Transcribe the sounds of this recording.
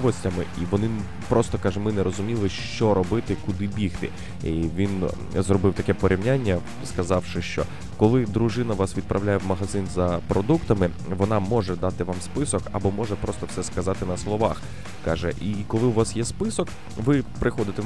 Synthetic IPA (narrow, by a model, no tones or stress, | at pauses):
ʋɔsʲtʲɐmɪʔiʋɔnɪ | pɾʔɔst̪ɔkɑʒɛmɪnɛɾɔzʊmʲilˠɪʃt͡ʃɔɾɔbɪt̪ɪkʊd̪ɪbʲixt̪ɪ̰ | iʋʲin | zrɔbɪwt̪ɐkɛpɔɾʲʔiwnʲanʲːɐ | skɐzɑwʃɪʃt͡ʃɔ̰ | kɔlˠɪd̪ɾʊʒɪnɐʋɑsʋʲid̪̚pɾʔɐwlʲajɛwmɐɦɐzɪnzɐpɾɔd̪ukt̪ɐmɪ | ʋɔnɑmɔʒɛd̪ɑt̪ɪʋɑmspɪsɔkɐ̰bɔmɔʒɛpɾɔst̪ɔwsɛskɐzɑt̪ɪnɐslˠɔʋɑx | kɑʒɛ̰ʔikɔlˠɪwʋɑsjɛspɪsɔk | ʋɪpɾɪxɔd̪ɪt̪ɛ